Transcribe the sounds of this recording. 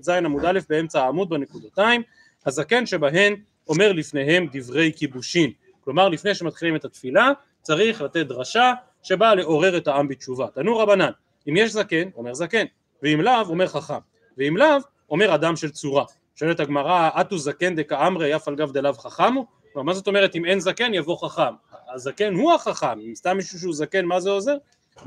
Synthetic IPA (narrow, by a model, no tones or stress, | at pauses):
tzajenamud̪alefbee̞mt͡saaːmud̪̚banekud̪at̪aim | hazake̞nʃe̞baɦe̞n | o̞me̞ʁlifne̞ɦe̞md̪ivʁe̞jkibuʃim | klo̞maʁlifne̞jʃemat̪χilime̞t̪at̪fila | t͡saʁiχlat̪et̪̚d̪ʁaʃa | ʃe̞bale̞ʔo̞ʁe̞ʁe̞thaambit͡ʃuvat̪anuʁabanan | imjeʃzake̞no̞me̞ʁzake̞n | veimlavo̞me̞ʁχaχam | veimlav | o̞meʁad̪amʃe̞lt͡suʁa | ʃoelet̪haɡmaʁaʔat̪uzake̞nd̪ekaamʁejafalɡavd̪elavχaχamuklomaʁmazo̞t̪o̞meʁe̞t̪ime̞nzake̞njavo̞χaχamaːzake̞nhuhaχaχamimst̪amːiʃuʃ̬euzake̞nmazeo̞ze̞ʁ